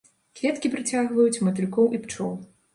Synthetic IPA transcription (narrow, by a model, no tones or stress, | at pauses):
kvʲɛt̪kʲipɾɨt͡sʲaɣvɐjut͡sʲmɐt̪ɨlʲkɔwʔipt͡ʂɔw